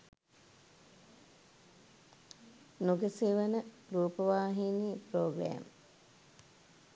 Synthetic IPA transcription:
nuɡəseːʋənəɾuːpəʋaːɦinipɾoːɡɾæ̰ːm

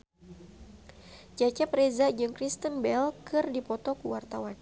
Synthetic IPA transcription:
d͡ʒat͡ʃɛpɾezad͡ʒɨŋkɾist̪ənbɛlkʰɨrdipɔt̪ɔkuwart̪awan

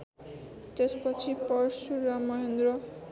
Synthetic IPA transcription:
t̪espʌt͡sʰipʌɾsuɾamʌɦend̪rʌ

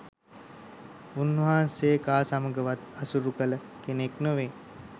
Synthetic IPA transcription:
unːəɦaːnseːkaːsaməɡəʋat̪̚asuɾukələ | keneknəʋe

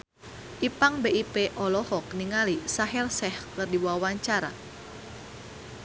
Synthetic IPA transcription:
ʔipaŋbeʔipeʔɔlɔhɔk̚niŋalisaɦɛrsɛhkɨrdiwawaɲt͡ʃaɾa̰

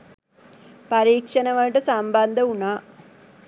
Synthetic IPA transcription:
pɐɾiːkʂɐnɐʋɐʈɨsɐmbɐnd̪ʱɐuɳa

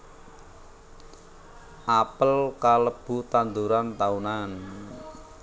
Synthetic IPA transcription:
ʔapəlkaləb̥ṳt̪and̪uɾant̪aunan

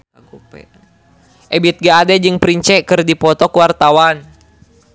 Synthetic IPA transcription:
ʔɛbit̪̚ɡaːdɛd͡ʒɨŋpɾiɲt͡ʃɛkɨrdipɔt̪ɔkuwart̪awan

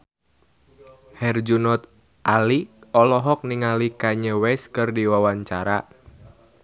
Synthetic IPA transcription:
hɛrd͡ʒunɔt̪̚ | ʔaliɔlɔɦɔk̚niŋalikaɲəwɛskɨrdiwawaɲt͡ʃaɾa

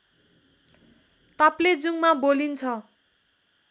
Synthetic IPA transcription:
t̪apled͡zuŋmabolint͡sʰʌ

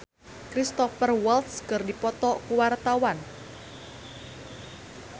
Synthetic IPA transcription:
kɾist̪ɔfərwɛlt̪skɨrdipɔt̪ɔkuwart̪awan

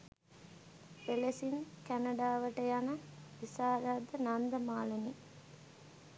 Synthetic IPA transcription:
pelesiŋkænɐɖaːʋɐʈəjanəʋisaːɾaːd̪ənand̪ɐmaːlɐni

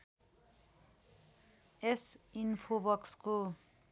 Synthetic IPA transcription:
esinpʰobʌksko

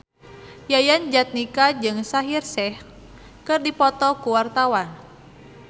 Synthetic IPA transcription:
jajand͡ʒat̪̚nikad͡ʒɨŋsaɦirsɛh | kɨrdipɔt̪ɔkuwart̪awan

